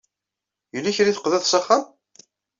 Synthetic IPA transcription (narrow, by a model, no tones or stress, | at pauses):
jəlːiçɾiθə̥qðæðsɑχːam